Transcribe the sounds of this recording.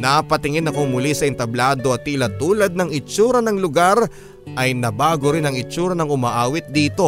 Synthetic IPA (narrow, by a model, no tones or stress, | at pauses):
napɐt̪ɪŋɪnɐkomʊlisɐʔɪnt̪ɐblaːd̪o̞ɐt̪ːilɐt̪uːlɐd̪̚nɐŋɪt͡ʃuːɾɐnɐŋlʊɡaɾ | ʔɐjnɐbaːɡoɾɪnɐŋɪt͡ʃuːɾɐnɐŋʊmaːʔaːwɪt̪̚d̪iːt̪o̞